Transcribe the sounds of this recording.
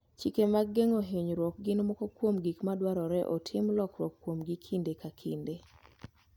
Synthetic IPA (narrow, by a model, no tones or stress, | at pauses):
t͡ʃikemaɡːeŋoɦeɲɾwɔk̚ɡɪnmɔkɔkwomɡikmadwaɾɔɾɛʔɔ̰tʰɪmlɔkɾwɔkːwomɡikʰindekakʰinde